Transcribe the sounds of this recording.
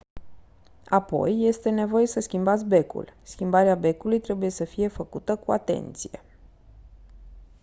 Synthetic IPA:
apo̞̰jːe̞st̪e̞ne̞vo̞je̞səskʲimbat̪sʲbe̞kṵlskʲimbaɾeabe̞kulujt̪ɾe̞buje̞səfije̞fəkut̪əkua̰t̪e̞̰nt̪sije̞̰

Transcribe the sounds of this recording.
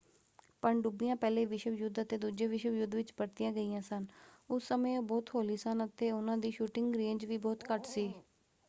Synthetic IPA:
pəɳɖubijãːpɛːleːʋɪʃəʋjʊd̪ət̪eːd̪uːd͡ʒeːʋɪʃəʋjʊd̪ʋɪt͡ʃbəɾt̪ɪjãːɡəiːjãːsənʊsːəmẽːõːbɔːt̪ɦoːliːsənət̪eːʊnãːd̪iːʃuːʈɪŋɡɾẽːɲd͡ʒʋiːbɔːt̪kəʈsiː

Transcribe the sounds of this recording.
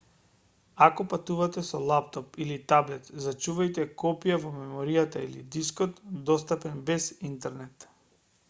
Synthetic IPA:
akɔpat̪uvat̪ɛsɔlˠapt̪ɔpilit̪ablɛt̪zat͡ʃuvajt̪ɛkɔpijavɔmɛmɔɾijat̪ailid̪iskɔt̪d̪ɔst̪apɛnbɛzint̪ɛɾnɛt̪

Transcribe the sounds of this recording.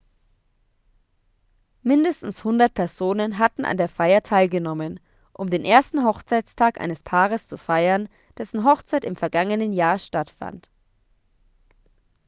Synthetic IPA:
mɪndəstn̩shʊndɐt̚pʰɛɐzoːnənɦatn̩ʔa̰ndeːɐfaɪɐtʰaɪlɡənɔmən | ʔʊmdeːnʔeːɐstn̩ɦɔχt͡saɪt͡stʰaːkʔa̰ɪnəspʰaːʁəst͡sufaɪɐn | d̥ɛsn̩ɦɔχt͡saɪtɪmfɛɐɡaŋənənjaːɐʃtatfa̰nt

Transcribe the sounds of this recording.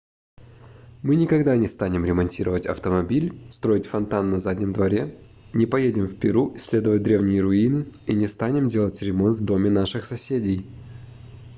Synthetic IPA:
mɨnʲɪkɐɡd̪anʲɪst̪anʲɪmɾʲɪmɐnʲtʲiɾəvətʲɐ̰ft̪əmɐbʲilʲst̪ɾo̞ɪtʲfɐnt̪anːɐzadʲnʲɪmd̪vɐɾʲe | nʲɪpɐjedʲɪmfpʲɪɾusʲːlʲe̞d̪əvət̚ʲd̪ɾʲe̞vnʲɪjəɾʊinɨinʲɪst̪anʲɪmdʲe̞lˠətʲɾʲɪmont̪vd̪o̞mʲɪnaʂɨxsɐsʲedʲɪj

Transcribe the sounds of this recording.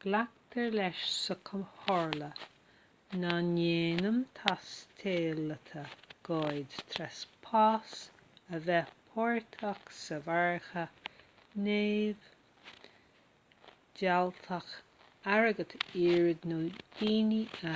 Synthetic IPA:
ɡ̥lak̚t̪ʰəɹlɛʃsəkʰəmhɔɹlə | naneːnəmt̪ʰast̪ʰeːlət̪ʰəɡ̥ɔːjd̪t̪ʰɾɛspʰaːsəvɛpʰɔɹt̪ʰaxsəvaɹxə | neːv | d͡ʒalt̪ʰəx | aɹəɡət̪ʰiːɹd̪nodiːniə

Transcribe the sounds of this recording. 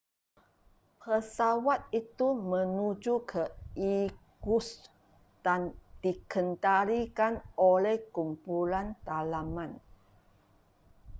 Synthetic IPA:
pʰəsawat̪̚it̪umə̃nud͡ʒukʰəiɡus | d̥and̥ikʰənt̪aɾikanolɛhkumpulant̪alamãn

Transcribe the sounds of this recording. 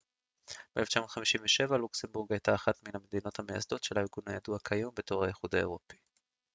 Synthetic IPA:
b̥eleft͡ʃamod̥̪χamiʃimveʃe̞valuksembuʁɡajtaːχat̪minhamed̪ino̞t̪hameja̰sd̪o̞tʃelaiʁɡunhajaduakʰajombe̞to̞ʁhajeχud̪aeʁo̞pi̥

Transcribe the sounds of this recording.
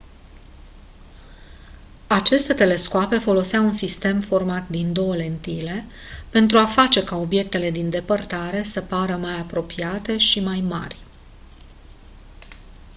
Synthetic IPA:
at͡ʃe̞st̪e̞t̪e̞le̞skoape̞fo̞lo̞seaunsist̪e̞mfo̞rmat̪d̪ind̪o̞wəle̞nt̪ile̞pe̞nt̪ɾuafat͡ʃe̞kao̞bje̞k̚t̪e̞le̞d̪ind̪e̞pərt̪aɾe̞səpaɾəmajapɾo̞piat̪e̞ʃimajma̰rʲ

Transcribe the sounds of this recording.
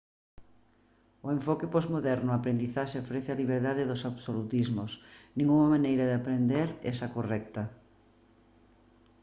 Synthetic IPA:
oeɱfɔkɪpɔzmoðɛɾnʊapɾend̪iθaʃeofɾɛθɪaliβ̞eɾðaðɪðosaβsolut̪izmosnĩŋuŋɐmanejɾɐðɪapɾend̪eɾɛ̰sɐkorɛk̚t̪ɐ

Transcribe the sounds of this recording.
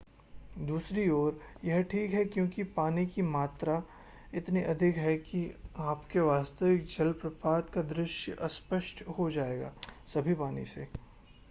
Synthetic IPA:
d̪uːsɾiɔːɾjɛɦʈʰiːkɦɛkjõːkipaːnikimaːt̪ɾa | ɪt̪niʔɐd̪ʱɪkɦɛkiaːpkeʋaːst̪əʋɪk̚d͡ʒɐlpɾɐpaːd̪kad̪ɾɪʃjʔɐspəʃʈhod͡ʒaːeːɡa̰ːsɐbʱipaːnḭsḛː

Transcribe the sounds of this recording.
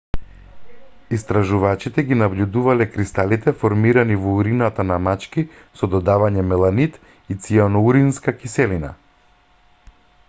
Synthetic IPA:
ist̪ɾaʒuvat͡ʃit̪ɛɡinabʎud̪uvalɛkɾist̪alit̪ɛfɔɾmiɾanivɔuɾinat̪anamat͡ʃki | sɔd̪ɔd̪avaɲɛmɛlˠanit̪ | it̪sianɔuɾinskakisɛlina̰

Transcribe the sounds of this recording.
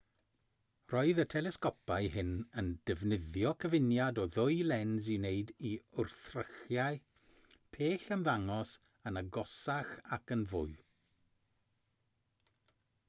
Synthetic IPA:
r̥ɔɨðətʰɛlˠɛskɔpaɨɦɪnənd̥ɛvnɪðjɔkʰəvɪnjadɔðʊɨlˠɛnzɪwneɨdiʊrθrəxjaɨ | pʰeːɬənvaŋɔs | ənəɡɔsaxakənvʊɨ

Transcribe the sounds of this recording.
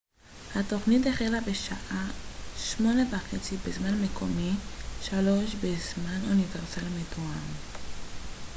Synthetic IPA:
hato̞χnit̬eχelabeʃaʔaʃmo̞nevaχet͡sibezmanamekʰo̞miʃaloʃbezmanuniveʁsalimetoam

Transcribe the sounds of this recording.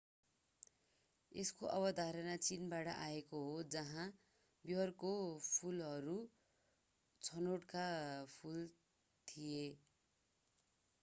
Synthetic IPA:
eskoʔʌbʌd̪ʱaɾʌnat͡sinbaʈʌʔaekoɦod͡zʌɦã | bjʌrkopʰulɦʌɾu | t͡sʰʌnoʈkapʰul | t̪ʰije

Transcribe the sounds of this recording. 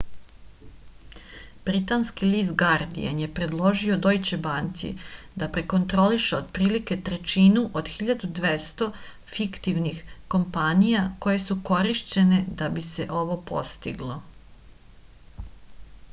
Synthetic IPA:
b̥ɾit̪anskiliːzt̪ɡaɾd̪ḭenje̞pɾe̞d̪lˠo̞ʒio̞d̪o̞jt͡ɕebant̪sḭ | d̪apɾe̞ko̞nt̪ɾo̞liʃeod̪̚pɾiːlike̞t̪ɾe̞t͡ʃinuʔod̪̥xiʎad̪ud̪ʋest̪o̞ | fikt̪iʋnixko̞mpanijako̞je̞suko̞ɾiʃt͡ɕe̞ne̞d̪abise̞ʔo̞ʋo̞po̞̰st̪ḭɡlˠo̞

